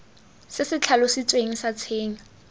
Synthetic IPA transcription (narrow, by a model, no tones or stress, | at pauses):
sɪsɪt͡ɬʰalɔsɪt͡sʼweŋ̩sat͡sʰeːŋ̩